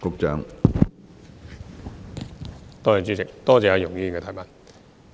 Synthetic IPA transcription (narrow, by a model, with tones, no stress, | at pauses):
kʊ˨˧k̚t͡ʃœː˨˧ŋ | t̪ɔː˥˩ja˨˩t͡ʃyː˨˥t͡sɪ˨k̚t̪ɔː˥t͡sɛː˧jɐ˧jʊ˨˩ŋjiː˧i˨ŋkɛ˧aː˨˩jmɐ˨˩n